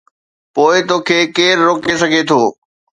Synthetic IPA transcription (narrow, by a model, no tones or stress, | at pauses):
poːɪt̪oːkʰeːkeːɾɾoːkesɐɡʱet̪ʰoː